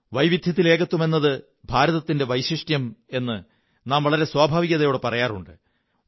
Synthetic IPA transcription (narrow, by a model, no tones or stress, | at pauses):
ʋɐjʋid̪ʱjɐt̪̬ːileːɣɐt̪ːume̞nːɐðɨ | bʱaːɾɐðɐt̪ːinde̞ʋɐjɕiʂʈjɐme̞nːɨ | naːmʋɐɭɐɾe̞swaːbʱaːʋiɣɐðɐjoːɽɨpɐrɐjaːrṵɳɖɨ